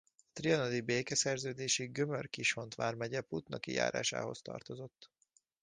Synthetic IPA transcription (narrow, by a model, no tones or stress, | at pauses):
ɒt̪riɒnod̪ibeːkɛsɛrzøːd̪eːʃiɡømørkiʃho̞nt̪ʋaːrmɛɟɛput̪nɒkḭja̰ːɾa̰ːʃa̰ːɦo̞̰st̪ɒ̰rt̪o̞zo̞t̪ː